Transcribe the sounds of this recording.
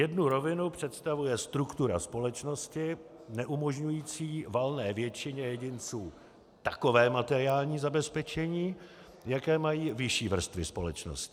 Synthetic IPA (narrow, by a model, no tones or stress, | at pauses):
jɛdnuɾo̞vɪnupr̝̥ɛt̪st̪avujɛst̪ɾukt̪uɾa̰spo̞lɛt͡ʃno̞scɪ | nɛʔumo̞ʒɲujiːt͡siːvalnɛːvjɛt͡ʃɪɲɛjɛɟɪnt͡suː | t̪ako̞vɛːmat̪ɛɾɪaːlɲiːzabɛspɛt͡ʃɛɲiː | jakɛːmajiːvɪʃiːvr̩st̪vɪspo̞lɛt͡ʃno̰scɪ̥